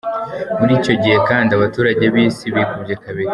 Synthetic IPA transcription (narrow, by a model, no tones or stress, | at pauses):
muɾiːco̞ɟihe̞kaːndiaβatuːɾaɟeβiːsiβikubɟekaβiɾ